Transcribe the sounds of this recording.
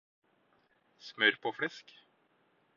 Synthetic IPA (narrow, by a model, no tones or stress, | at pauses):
smœɾpʰɔfɽɛsk